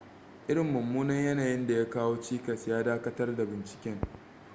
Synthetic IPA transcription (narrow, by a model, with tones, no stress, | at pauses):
ʔɪ˦ɽɪ˨mːʊ˨mːuː˦nɐ˦ɲjɐ˦naː˨jɪ˦nda˨jaː˦kaː˦woː˦t͡ʃiː˦kɐ˨sjaː˦daː˦kɐ˦tɐ˦rda˨bɪ˨nt͡ʃɪ̥˨kʲɛ˦ŋ